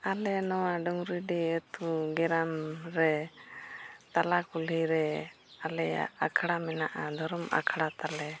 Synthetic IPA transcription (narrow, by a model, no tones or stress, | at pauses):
alɛnɔwaɖɔŋɾiɖɛət̪uɡɛɾamɾɛ | t̪alakuliɾɛ | alɛa̰akʰɽamɛnaʔad̪ʱɔɾɔma̰kʰɽat̪alɛ